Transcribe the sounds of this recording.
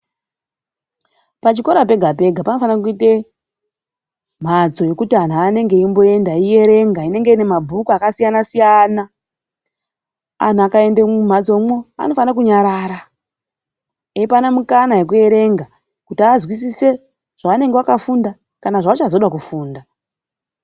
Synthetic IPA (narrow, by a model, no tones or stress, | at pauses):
pat͡ʃiko̞ɾap̬e̞ɡʱape̞ɡʱapano̞fanak̬uite | m̤ad͡zo̞je̞kutian̤uane̞ŋɡe̞imbo̞e̞ndaije̞ɾe̞ŋɡaine̞ŋɡe̞ine̞mabʱukuakasijanasijana | a̰n̤uakae̞ndem̤ad͡zo̞mwoa̰no̞fanak̬uɲaɾaɾa | eipanamukanaje̞k̬ue̞ɾe̞ŋɡa | kutiazwisise̞ | ʐ̥aʋane̞ŋɡewakafunda | kanaʐawat͡ʃazo̞ɗakufuːnda